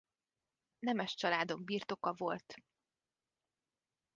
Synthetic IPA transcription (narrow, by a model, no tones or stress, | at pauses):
nɛmɛʃt͡ʃɒlaːd̪o̞ɡbiːrt̪o̞kɒvo̞lt̪